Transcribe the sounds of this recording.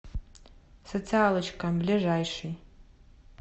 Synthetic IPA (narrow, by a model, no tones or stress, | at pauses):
sot͡sʰɨalɨt͡ʃʰkʰʼamblʲiʐajʂi